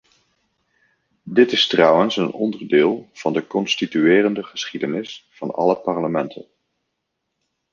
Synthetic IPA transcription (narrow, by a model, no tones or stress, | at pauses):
dɪtɪstrʌwənsənɔndəɹdɪːlˠv̥ɑndəkɔnstityɪːrəndəχəsχidənɪsfɑ̰nɑ̰ləpɑɹləmɛntʰə̰n